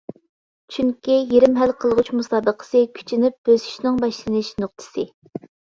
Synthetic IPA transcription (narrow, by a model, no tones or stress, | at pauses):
t͡ʃʰyŋkʲijeɾɪmɦælqʰəlˠʁut͡ʃmusɑːbəqʰə̥sɨkʲʰy̥t͡ʃʰinɪp̚b̥øzy̥ʃnɪŋbɑʃlˠɨnɨʃnʊq̚t̪ʰɨ̥sɨ